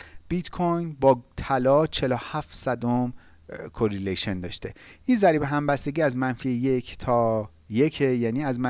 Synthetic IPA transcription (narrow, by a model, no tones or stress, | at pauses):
b̥it̪kʰojnbɒːt̪ʰælɒːt͡ʃʰe̞lohæft̪sæd̪om | kʰoɾileʃend̪ɒ̰ːʃt̪e̞ʔiːnzæɾiːbe̞ɦæmbæst̪e̞ɟʲiːæzmænfiːeje̞kʰt̪ʰɒː | je̞cʰejæːniːæzmæ